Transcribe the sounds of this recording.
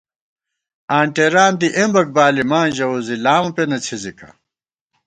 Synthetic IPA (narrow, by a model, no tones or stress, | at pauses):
aːɳʈeɾaːnd̪iʔẽmbɐk̚baːlimaːnʑɐozilaːmɐpenɐt͡sʰizikɐ̰